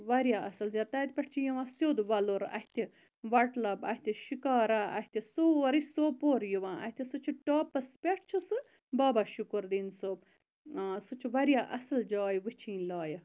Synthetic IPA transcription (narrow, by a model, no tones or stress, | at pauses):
ʋɐɾjaʔɐsɨlzʲjaːt̪aːt̪̚pʲeʈʰt͡ʃʰijiʋãːsjoːd̪ʋɐloɾɐ̰ht̪ʰʲi | ʋɐʈlɐbɐ̰hit̪ʰiʃikaːɾaɐ̰ɦt̪ʰisoɾisoːpoːɾjiʋãːʔɐ̰ht̪ʰʲisɨt͡ʃʰiʈoːpɐspʲeʈʰt͡ʃʰisɨ | baːbaʃukuɾd̪insoːb | sɨt͡ʃʰiʋɐɾjaʔɐsɨld͡ʒaːjʋɨt͡ʃʰĩːnlaːjə